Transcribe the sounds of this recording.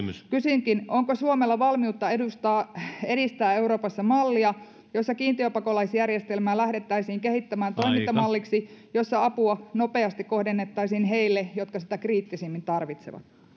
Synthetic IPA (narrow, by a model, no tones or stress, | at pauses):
kysyŋkinoŋkosuomelːɑʋɑlmiut̪ːɑedust̪ɑːeɾist̪æːeuɾo̞ːpɑsːɑmɑlːiɑ | josːɑkiːnt̪iøpɑkolɑisjærjest̪elmæːlæhdet̪ːæisiːŋkehit̪ːæmæːnt̪o̞imint̪ːɑmɑlːiksijosːɑɑpuɑnopeɑst̪ikkohdenːet̪ːɑisiːnɦeilːejot̪̚kɑsit̪ækriːt̪ːisemːint̪ɑrʋit̪sḛʋɑ̰t̪